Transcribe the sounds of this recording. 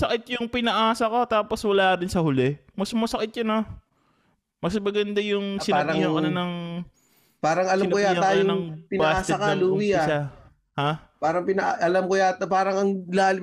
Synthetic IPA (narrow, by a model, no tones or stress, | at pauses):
sɐkɪt̪̚jʊŋpɪnɐʔaːsɐkot̪aːpo̞swɐlaːkɐɾɪnsɐhʊlɛ | mɐsmɐsɐkɪt̪jʊno | mɐsmɐɡɐnd̪ajʊŋsɪnaɐihɐŋkɐnanɐŋ | paːɾɐŋɐlaɪmnojajɐŋaːj̪anɐŋpɪnbɐaːaːtsakaluːwiaʃa | hapaːɾɐŋpɪnɐʔaʔɐlamkojat̪paːɾɐŋɐŋlaːlɪ